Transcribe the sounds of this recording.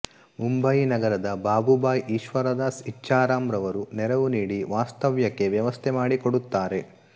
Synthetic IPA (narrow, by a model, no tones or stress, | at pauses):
mumbɐjinɐɡɐɾɐd̪ɐbaːbubaːjʔiːʃʋɐɾɐd̪aːsit͡ʃːaːɾaːmɾɐʋɐɾunɛɾɐʋuniːɽiʋaːst̪ɐʋjɐkːe̞ʋjɐʋɐst̪ʰemaːɽikoɽut̪ːaːɾe̞